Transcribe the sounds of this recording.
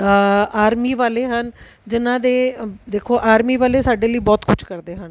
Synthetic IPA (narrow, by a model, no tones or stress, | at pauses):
aːɾmiːʋaːleːɦən | d͡ʒɪnãːd̪eːd̪eːkʰoːʔaːɾmiːʋaːleːsaːɖeːləiːbɔːt̪kʊt͡ʃʰkəɾd̪eːɦən